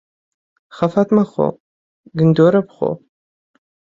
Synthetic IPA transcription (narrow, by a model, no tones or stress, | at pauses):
χɐfɐtmɐχo̰ | ɡɨnd̪oɾɐpχʷo̰